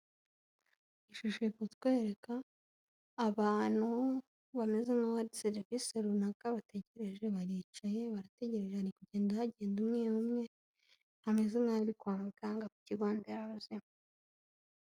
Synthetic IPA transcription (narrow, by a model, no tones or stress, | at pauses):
iʃuʃojekutwe̞ːɾe̞kaː | βaːn̥hu | βame̞zenaβaɾiseɾviseɾunakaβate̞ɟe̞ɾe̞ʒe̞βaɾit͡ʃaje̞βaɾate̞ɟe̞ɾe̞ʒehaɾikuɟeːndahaɟe̞ːndumŋiumŋe̞ | hame̞zenaɾikwaːmukaŋɡakuciɾɡaːndeɾaβzema